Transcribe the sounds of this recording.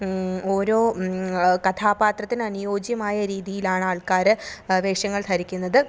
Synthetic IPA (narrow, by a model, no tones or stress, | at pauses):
o̞ːɾo̞ː | kɐt̪ʰaːbaːt̪rɐt̪ːinɐnujo̞ːd͡ʑjɐmaːjɐɾiːðijilaːɳaːɭkaːɾɨʋeːʂjɐŋːɐɭt̪ʰɐɾikʲːunːɐðɨ